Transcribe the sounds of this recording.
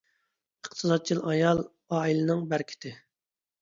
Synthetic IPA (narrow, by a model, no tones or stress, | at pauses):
əqt̪ʰɨzɑd̪̚t͡ʃʰilˠɑjɑlˠ | ɑːilɨnɨŋbæɾkʲʰɪ̥t̪ʰɪ